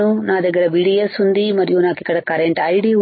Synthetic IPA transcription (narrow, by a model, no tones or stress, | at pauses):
unaːd̪ɐɡɐɾɐbiːɖiesund̪imɐɾijunaːkikɐɽɐkɐɾeɳʈɐjɖi